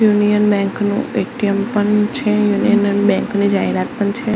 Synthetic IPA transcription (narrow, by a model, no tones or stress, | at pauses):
junijənbɛ̃ŋknṵ̃eʈiəmpəɳt͡ʃʰejunijənənbɛ̃ŋknid͡ʒaɦiɾat̪̚pəɳt͡ʃʰe